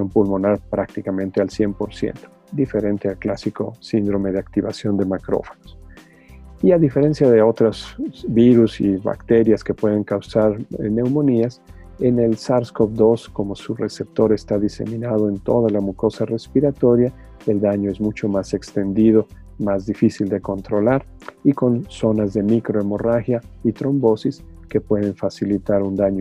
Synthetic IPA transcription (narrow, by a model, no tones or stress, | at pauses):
mpulmo̞naɾpɾak̚t̪ikamẽnt̪ealsje̞mpo̞ɾsjḛnt̪o̥ | d̪ife̞ɾe̞nt̪e̞alklasiko̞̰sind̪ɾo̞me̞ðeak̚t̪iβasjo̞nd̪e̞makɾo̞̰fo̥nos | iaðife̞ɾe̞nsjaðe̞o̞t̪ɾazbiɾusiβa̰kt̪e̞ɾjaske̞pwe̞ðe̞ŋkawsaɾne̞wmõ̞nias | e̞ne̞lsaɾskofd̪o̞sko̞mo̞sure̞se̞p̚t̪o̞ɾe̞st̪aðise̞̰mĩnaðo̞e̞nt̪o̞̰ðalamuko̞sare̞spiɾat̪o̞ɾja | e̞ld̪aɲoe̞zmut͡ʃo̞mase̞kst̪e̞nd̪iðo̞ | mazðifisild̪e̞ko̞nt̪ɾo̞laɾ | iko̞nso̞nazðe̞mikɾo̞emo̞raxjait̪ɾo̞mbo̞sis | ke̞pwe̞ðeɱfasilit̪aɾund̪aɲo